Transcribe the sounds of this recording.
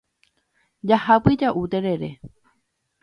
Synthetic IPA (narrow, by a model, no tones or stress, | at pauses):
d͡ʒahapɨd͡ʒaʔut̪eɾeɾe̞̰